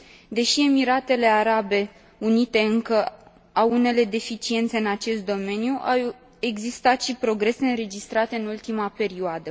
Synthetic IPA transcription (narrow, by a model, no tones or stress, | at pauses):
d̪e̞ʃie̞miɾat̪e̞le̞aɾabe̞ | unit̪e̞ɨŋkə | awune̞le̞d̪e̞fit͡ʃie̞nt̪se̞ɨnat͡ʃe̞st̪̚d̪o̞me̞njuʔaw | e̞ɡzist̪at̪ʃipɾo̞ɡɾe̞se̞ɨnɾe̞d͡ʒist̪ɾat̪eɨnult̪imape̞ɾioad̪ə